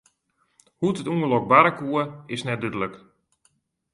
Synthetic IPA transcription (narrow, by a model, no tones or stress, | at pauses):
hutətuəlɔk̚baɾəkuəɪsnɛt̚dɪtløk